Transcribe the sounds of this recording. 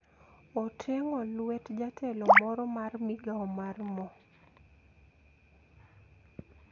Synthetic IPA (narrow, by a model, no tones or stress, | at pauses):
ɔtʰɛŋɔlwɛtd͡ʒatʰɛlɔmɔɾɔmarmiɡaɔmarmɔ